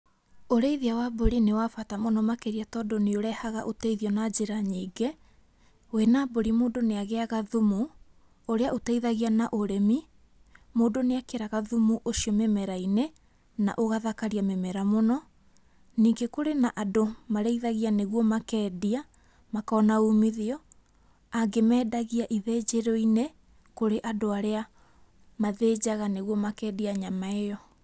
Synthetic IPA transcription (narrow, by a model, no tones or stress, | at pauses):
oɾeiðiawaːboɾinewafatamonɔmakeɾiatɔːdoneoɾɛhaɣa̰ʔoteiðiɔnad͡ʑeɾaɲiːɡe | wenaboɾimoːdoneaɣeaɣaðumu | oɾeaʔotɛiðaɣianaʔoɾemi | moːdoneakeɾaɣaðumuʔoʃiɔmemɛɾaine | na̰ʔoɣaðakaɾiamemɛɾamonɔ | niːŋɡekoɾenaʔadomaɾɛiðaɣianeɣwɔmakɛːdia | makaɔnauːmiðeɔ | aɡemɛːdaɣiaʔiðed͡ʑeɾɔine | koɾeʔadoaɾea | maðeːd͡ʑaɣaneɣwɔmakɛːdiaɲamaejɔ